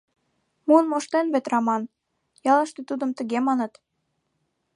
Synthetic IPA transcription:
muənmoʃt̪enβet̪ɾɑmɑn | jɑləʃt̪et̪ud̪ə̆mt̪əɣemɑnə̆t̪

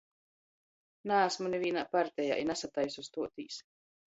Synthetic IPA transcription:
næːsmuneviːnaːpaɾt̪ɛja̰ːʔinasat̪ajsust̪uɔt̪iːs

